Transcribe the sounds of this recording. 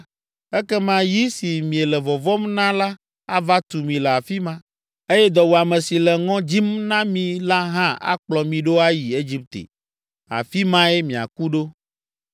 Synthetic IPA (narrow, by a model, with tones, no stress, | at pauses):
ɛ˦kɛ˦mã˦ji˦si˨mĩ˨e˨lɛ˨vɔ˨vɔ˦mnã˦la˦ | a˦va˦t̪u˨mĩ˨lɛ˨a˨fi˦mã˦ | e˦jɛ˦d̪ɔ˨wo˨a˨mɛ̃˨si˨lɛ˨ŋɔ̃˦d͡ʑi˦mnã˦mĩ˨la˦ɦã˦a̰˦k͡plɔ˨mĩ˨ɖo˦a˦ji˨e˦d͡ʑi˦p̚t̪ḛ˨ | a̰˨fi˦mã˦e˦mĩ˨a̰˨ku˦ɖo˦